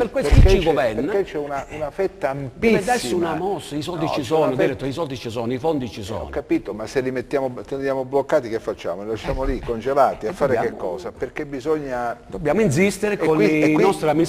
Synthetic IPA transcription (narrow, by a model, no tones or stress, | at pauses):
perkwesit͡ʃit͡ʃɡovɛrnet͡ʃːɛunaunafɛt̪ːamped̪ɛsːunamɔsːisɔld̪it͡ʃːisɔːnod̪iɾɛt̪ːoisɔld̪it͡ʃisɔːnoifond̪it͡ʃisɔ̰ɔ̰nkːapiːt̪omasːelimet̪ːjaːmot̪end̪jaːmoblokːaːt̪ikefːat͡ʃːa̰ːmoilaʃːaːmolikːond͡ʒelaːt̪iafːaːɾeakekːɔ̰ːsaperkebizoɲːad̪obːjaːmoins̬ist̪eɾekonnɔst̪ɾami